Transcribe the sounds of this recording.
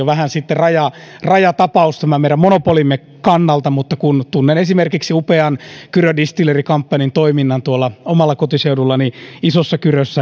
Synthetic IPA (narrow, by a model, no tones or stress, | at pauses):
oʋæhænsit̪ːerɑjɑrɑjɑt̪ɑpɑust̪æmæmeiɾæmonopolimːe | kɑnːɑlt̪ɑmut̪ːɑkunt̪unːenesimerkiksiupeɑnkyrødist̪ilerikɑmpːɑnint̪oiminːɑnt̪uolːɑomɑlːɑkot̪iseudulːɑniisosːɑkyrøsːæ